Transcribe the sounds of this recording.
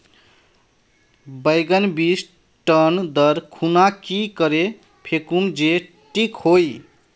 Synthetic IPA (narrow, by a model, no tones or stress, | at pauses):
bəjɡənbis | ʈənd̪əɾkʰunakikəɾe | pʰekund͡ʒe | ʈikhoj